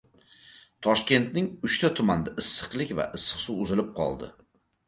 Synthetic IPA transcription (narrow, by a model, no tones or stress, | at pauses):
t̪ʰɒʃkʲe̞nt̪̚nɪŋʊʃt̪ʰat̪ʰʊmand̪aɪsːɨ̥qlˠɪkʲva̰ʔɨsːɨ̥qsʊʊzɪlɪp̚qʰɒ̰lˠd̪ɪ̰